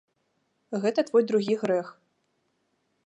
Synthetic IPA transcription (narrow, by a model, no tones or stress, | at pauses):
ɣɛt̪ɐt̪vɔjd̪ɾuɣʲiɣɾɛx